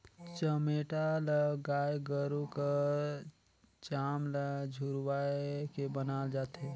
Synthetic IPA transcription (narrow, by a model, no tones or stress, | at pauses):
t͡ʃəmeːʈaləɡaːjɡəɾuka | t͡ʃaːmləd͡ʒʱuɾwaːkebənaːd͡ʒaːt̪ɛ